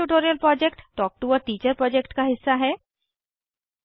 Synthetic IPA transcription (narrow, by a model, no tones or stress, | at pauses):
uʈoːɾijəlpɾɔːd͡ʒekʈʈɔːk̚ʈuɔɾʈiːt͡ʃəɾpɾɔːd͡ʒekʈkaɦɪsːaɦɛː